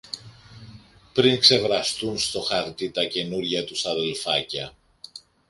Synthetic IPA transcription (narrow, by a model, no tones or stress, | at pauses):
pɾiŋkse̞vɾɐst̪unst̪o̞xɐɾt̪it̪ɐce̞nuɾʝɐt̪usɐðe̞lfɐcɐ